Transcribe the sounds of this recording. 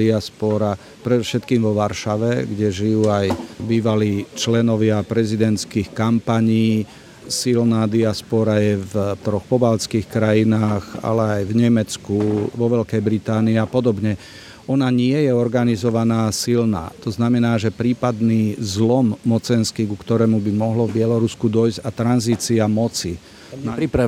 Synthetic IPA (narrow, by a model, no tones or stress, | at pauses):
iaspɔɾa | pɾɛd̪ɔfʃɛt̪kiːmʋɔʋaɾʃaʋɛɡɟɛʒijuːajbiːʋaliːt͡ʃlɛnɔʋɪapɾɛzid̪ɛnt̪t͡skiːxkampaɲiː | silnaːd̪iaspɔɾajɛvt̪ɾɔxpɔbalt͡skiːxkɾajinaːɣa̰lɛajvɲɛmɛt͡skuʋɔʋɛʎkɛjbɾit̪aːniapɔd̪ɔbɲɛ | ɔnaɲɪɛjɛɔɾɡanizɔʋanaːsilna̰ːt̪ɔznamɛnaːʒɛpɾiːpad̪niːzlɔmːɔt͡sɛnskikukt̪ɔɾɛːmubimɔɦlɔvbɪɛlɔɾuskud̪ɔjzɟat̪ɾanziːt͡siamɔt͡si | naɾiɾa